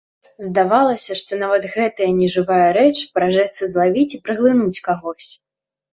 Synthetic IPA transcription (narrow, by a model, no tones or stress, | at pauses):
zd̪avalˠɐsʲɐʂt̪ɔnavɐt̪ɣɛt̪ɐjɐnʲɛʐɨvajɐɾɛt͡ʂɨpɾaʐɛt̪sːɐzlˠavʲit͡sʲipɾɨɣlˠɨnut͡sʲkaɣɔsʲ